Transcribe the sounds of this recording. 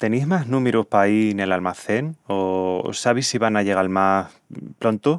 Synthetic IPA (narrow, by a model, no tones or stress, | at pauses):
t̪e̞nizmaɦnũmeɾuhpaine̞lalmaθe̞no̰saβisːiβanaʝe̞ɣ̞almas | pɾo̞nt̪o